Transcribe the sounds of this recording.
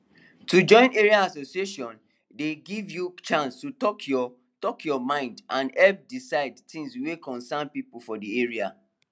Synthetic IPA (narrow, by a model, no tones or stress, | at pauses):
tud͡ʒɔ̃ɪ̃neɹiaasosieʃɔ̃n | deɡivjut͡ʃãnstutɔkʰɔ | tɔkʰjɔmãɪ̃ndãnɛlp̚disaɪdtʰĩŋswekɔ̃nsanpipulfɔdieɹia̰